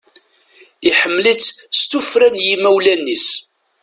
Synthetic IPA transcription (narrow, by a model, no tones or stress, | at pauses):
iħəmːlit͡sːst̪ufɾænjimæwlænːis